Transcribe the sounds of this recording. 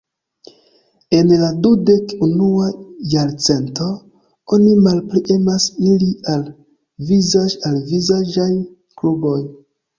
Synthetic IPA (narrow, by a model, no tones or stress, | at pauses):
e̞nladude̞kunuajaɾt͡se̞nto̞ | o̞nimalpɾiʔe̞masilial | vizaalvizad͡ʒaj | klubo̞j